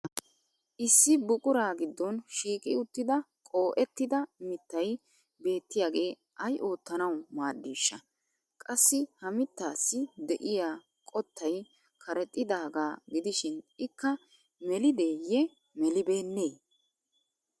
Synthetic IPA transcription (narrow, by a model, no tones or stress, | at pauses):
ʔɪsːɪbʊkʼʊɾaːɡɪd̪ːɔnʃiːkʼɪʊt̪ːɪd̪ɐ | kʼo̞ːʔɛt̪ːɪd̪ɐmɪt̪ːɐj | be̞ːt̪ːɪjaːɡe̞ː | ʔɐjʔo̞ːt̪ːɐnɐwmaːdːiːʃːɐ | kʼɐsːɪhɐmɪt̪ːaːsːɪd̪ɛʔɪjaː | kʼɔt̪ːɐj | kʰɐɾɛt̪ʼːɪd̪aːɡaːɡɪd̪ɪʃɪnɪkːɐ | mɛlɪd̪e̞ːjɛ | mɛlɪbe̞ːnːeː